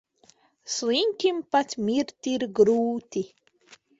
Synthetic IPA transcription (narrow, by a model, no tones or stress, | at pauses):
sliŋkʲimpatʲmiɾt̪iɾɡɾuːt̪i